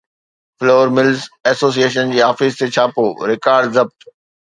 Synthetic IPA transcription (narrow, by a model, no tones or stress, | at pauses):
floːɾmɪlzɛsoːs̬ieːʃənd͡ʑiːɦaːfɪzt̪ʰet͡ɕʰaːpoːɾɪkaːɾɖzɐb̚t̪